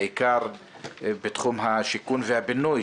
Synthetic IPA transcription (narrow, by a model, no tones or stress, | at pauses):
ikaʁ | bet̪χumɦaʃikunvehabinuj